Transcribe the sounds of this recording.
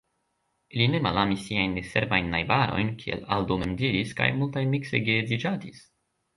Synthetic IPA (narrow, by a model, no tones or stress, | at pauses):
iline̞malamisːiajnːese̞ɾvajnːajbaɾo̞̰jnkʰiḛlaldomemdiɾiska̰jmultajmikse̞jɡezid͡ʒatis